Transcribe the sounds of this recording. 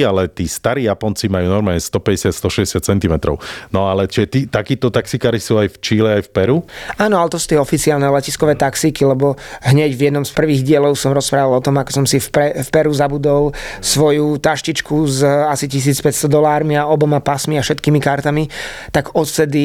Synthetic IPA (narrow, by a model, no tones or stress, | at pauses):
alɛt̪iːst̪aɾiːjapɔnt͡simajuːnɔɾmaːlɲɛst̪ɔpɛɟɛsɪat̪st̪ɔʃɛɟɛsɪat̪̚t͡sɛnt̪imɛt̪ɾɔ̰ʊnɔalɛt͡ʃiʒɛt̪iːt̪akiːt̪ɔt̪aksikaːɾisuːajft͡ʃiːlɛajfpɛɾuaːnɔalɛt̪ɔsu̥ːt̪ɛɔfit͡siaːlnɛlɛciskɔʋɛːt̪aksikilɛbɔɦɲɛɟvjɛd̪nɔmspr̩ʋiːɣɟɪɛlɔʊsɔmɾɔspɾaːʋalɔt̪ɔmakɔ̥sɔmsifpɛfpɛɾuzabud̪ɔlˠsʋɔjut̪aʃcit͡ʃkuzasicis̬iːt͡spɛcst̪ɔd̪ɔlaːɾmiaɔbɔmapasmiafʃɛt̪kiːmikaɾt̪amitt̪aɡɔt̪sɛd̪i